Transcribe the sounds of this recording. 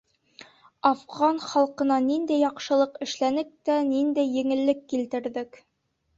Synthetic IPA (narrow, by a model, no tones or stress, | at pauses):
ɑfʁɑnχɒlˠqɤ̆nɑnind̪æjːɒqʃɤ̆lˠɤqɘ̆ʃlænɘk̚t̪ænind̪æjːɘ̆ŋɘ̆lːɘkːilt̪ɘ̆ɾðɘk